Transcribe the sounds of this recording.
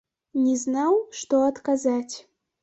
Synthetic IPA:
nʲɛznawʂt̪ɔɐt̪kazat͡sʲ

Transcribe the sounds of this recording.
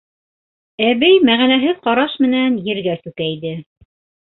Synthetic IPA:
æβɘjmæʁænæɦɘðqɑɾɑʃmɘ̆nænjɘ̆ɾɡæsʉkæjd̪ɘ

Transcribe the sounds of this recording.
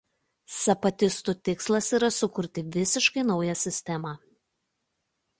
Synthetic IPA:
sɐpɐt̪ʲɪst̪ut̪ʲɪkslˠɐsiːˑɾɐsʊkʊɾʲt̪ʲɪʋʲɪsʲɪʃkɐɪnɒʊjɛsʲɪsʲt̪ʲɛmɑː

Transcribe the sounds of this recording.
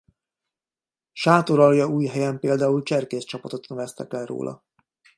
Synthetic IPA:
ʃaːt̪oɾɒljɒuːjɦɛjɛmpeːld̪aːult͡ʃɛrkeːst͡ʃɒpɒt̪o̞t̪nɛvɛst̪ɛ̰kɛlro̰ːlʔɒ̰

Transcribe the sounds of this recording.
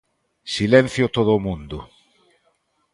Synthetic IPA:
silẽn̟θjot̪oðomũnd̪u

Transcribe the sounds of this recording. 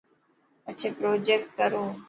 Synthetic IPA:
ət͡ʃʰeːpɾoːd͡ʒek̚ʈ̚kəɾoː

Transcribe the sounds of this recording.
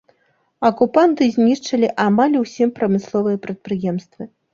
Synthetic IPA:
ɐkupant̪ɨzʲnʲiʂt͡ʂɐlʲiʔamalʲuwsʲimpɾɐmɨslˠɔvɨjɐpɾɐt̪̚pɾɨjɛmst̪vɨ

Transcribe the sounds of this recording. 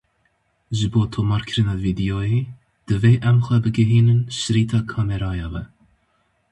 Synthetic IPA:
ʒɨboːt̪ʰoːmɑːɾkʰɨɾɨnɑːviːd̪ijoːjeː | d̪̥ɨveːʔɛmxʷɛbɨɡɨɦiːnɨnʃɨɾiːt̪ʰɑːkʰɑːmɛɾɑːjɑːvɛ

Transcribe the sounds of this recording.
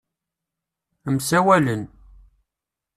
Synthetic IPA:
əmsæwælən

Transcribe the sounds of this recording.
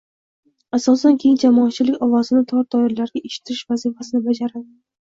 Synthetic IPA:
asɒsankʲʰe̞jɪnd͡ʒamɒːt̪̚t͡ʃʰɪlɪkʲɒvɒsɪnɪt̪ʰɒd̪ɒɪɾlaɾɡʲaʔeʃɪ̥t̪ʰɪɾɪʃvazifasɪnɪbad͡ʒaɾad̪ɪ

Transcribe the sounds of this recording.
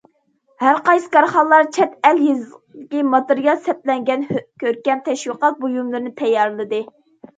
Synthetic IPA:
hæɾqɑjsɨ̥kɑɾχɑlˠːɑɾt͡ʃʰɛt̪ɛljezd̪ɪkʲimɑt̪ɨɾijɑlˠsɛp̚lɛŋɡʲɛnkʲøɾkʲɛmt̪ʰɛʃwiqɑt̪̚bojumlˠɨɾɨnɪt̪ʰɛjːɑɾlˠɨd̪ɨ

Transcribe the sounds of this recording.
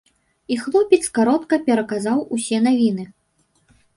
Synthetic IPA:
ixlˠɔpʲɛt̪skaɾɔt̪kɐpʲɛɾɐkazawusʲɛnavʲinɨ

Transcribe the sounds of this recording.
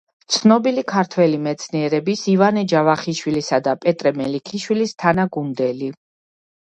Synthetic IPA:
t̪sʰnɔbilikʰaɾt̪ʰwɛlimɛt̪sʰniɛɾɛbisivanɛd͡ʒavaχiʃwilisad̪apʼɛt̪ʼɾɛmɛlikʰiʃwilist̪ʰanaɡund̪ɛli

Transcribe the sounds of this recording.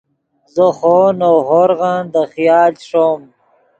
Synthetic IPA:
zəxonoɦoɾɣand̪əxijɑːlʂom

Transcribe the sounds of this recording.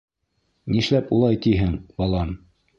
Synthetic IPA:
niʃlæpulˠɑjt̪iɦɘŋbɑlˠɑm

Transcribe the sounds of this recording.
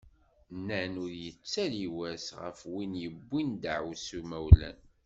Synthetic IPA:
nənʊɾjət͡sːæliwæsʁə̰fwinjəbːind̪aʕusumæwlæ̰n

